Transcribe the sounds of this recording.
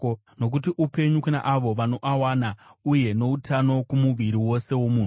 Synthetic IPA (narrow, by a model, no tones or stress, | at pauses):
no̞k̬utiʔupe̞ɲukuna̰ʔaʋo̞ʋano̞ʔawaːnauje̞no̞utʰano̞kumuʋiɾiwo̞se̞wo̞muː